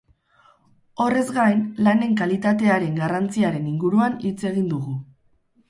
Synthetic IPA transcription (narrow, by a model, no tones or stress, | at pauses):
o̞re̞zɡajnlane̞ŋkalit̪at̪e̞aɾe̞ŋɡarant͡siaɾe̞niŋɡuɾuanit͡se̞ɣ̞ind̪uɣu